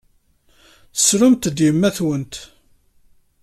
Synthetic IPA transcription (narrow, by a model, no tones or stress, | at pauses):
θə̥sɾʊmt̪d̪jəmːæθwənt̪